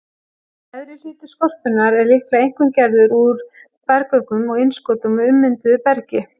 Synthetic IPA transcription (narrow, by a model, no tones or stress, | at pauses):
ɛðɾɪl̥ɪːt̪ɪskɔr̥pʏnːaɾɛɾlɪhklaejŋ̥kɪmcɛɾðʏɾuɾ | fɛɾkœɥkʏmɔɣɪnskoːt̪ʏmʏmːʏnt̪ʏpɛɾcɪ